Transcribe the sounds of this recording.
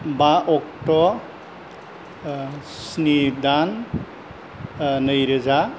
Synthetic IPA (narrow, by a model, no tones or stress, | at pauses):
baʔɔkʈɔ | snid̪an | nəjɾəza